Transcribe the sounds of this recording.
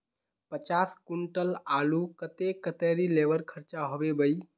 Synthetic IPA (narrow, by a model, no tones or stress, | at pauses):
pət͡ʃaskuɳʈəlalukət̪ekət̪eɾilebəɾkʰəɾt͡ʃaɦobebəj